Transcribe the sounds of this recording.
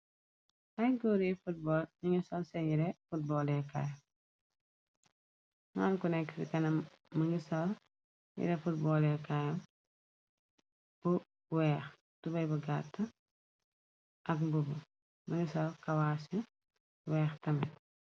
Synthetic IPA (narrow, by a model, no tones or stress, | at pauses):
ʔɐjɡɔːɾifut̚bɔːliŋisɐlsɛjiɾɛfut̚bɔːlɛka̰jɐ | ŋaːnkunɛkːsikɐnɐm | mɐŋɡisɐl | jḭɾɛfut̚bɔːlɛkajɐm | bu | wɛːx | tubɐjbuɡatːɐ | ʔɐkbubɐ | mɐŋɡisɐlkɐwasi | wɛːxtɐmɛ